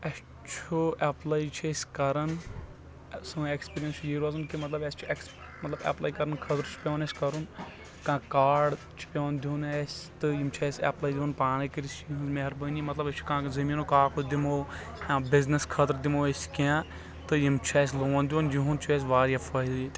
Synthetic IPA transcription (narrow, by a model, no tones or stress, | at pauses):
ɐ | t͡ʃʰuɛplaːit͡ʃʰesʲkɐɾɐn | sɨekspiːɾijɐnsjiːɾaːzɨnkimɐt̪lɐbest͡ʃʰueks | mɐt̪lɐbɛ̰plaːikɐɾɐnkʰɐt̪ɾt͡ʃʰu̥pʲõːnesʲkɐɾun | kãːkaːɖ | t͡ʃʰu̥pʲoːnd̪uːnesʲt̪ɨjimt͡ʃʰeːsʲɛ̰plaːjd̪iõnpaːnikiɾist͡ʃjiɦũnzmeɦɾbənimɐt̪lɐbɐt͡ʃʰu̥kãːzɐmiːnokaːkod̪imoː | jãːbɪzneskʰɐt̪ɾd̪imoːeskãː | t̪ɨjimt͡ʃʰɛːs̬ʲloːnd̪ʲjunjiɦunt͡ʃʰueːs̬ʲʋaːɾafʰɐːid̪it̪